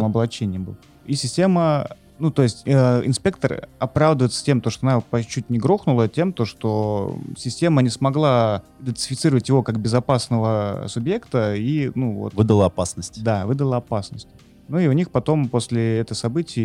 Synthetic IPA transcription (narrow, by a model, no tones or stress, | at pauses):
mɐblˠɐt͡ɕːenʲɪjəbɨ̰lˠə | isʲɪsʲtʲe̞mə | nut̪o̞ɪsʲtʲəɪ̰nspʲe̞k̚t̪ərɐpɾavd̪əvjɪt̪sə̥tʲe̞mt̪oʂt̪oɐnapɐt͡ɕːutʲnʲɪɡɾo̞xnʊlˠətʲe̞mt̪oʂt̪o̞sʲɪsʲtʲe̞mənʲɪsmɐɡlˠaɪd̪ʲənʲt̪ʲsʲɪ̥fʲɪt̪sɨɾəvətʲjɪvo̞kakbʲɪzɐpasnəvəsʊbje̞kt̪əinuvo̰t̪vɨd̪əlˠəɐpasnəsʲtʲd̪avɨd̪əlˠəɐpasnəsʲtʲ | nuiʊnʲixpɐt̪o̞mpo̞sʲlʲɪɛt̪əjsɐbɨtʲɪj